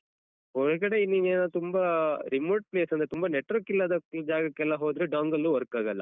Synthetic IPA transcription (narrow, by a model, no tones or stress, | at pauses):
ɔɾɐkɐɽeinːiʋeːnɐt̪umbaɾimoːʈ̚pleːsɐnd̪ɾet̪umbaneʈːʋɐɾkilːɐd̪ɐd͡ʒaːɡɐkːɛlːaɦoːd̪ɾeɖaːŋɡɐlːuʋɐɾkaːɡɐlːɐ̰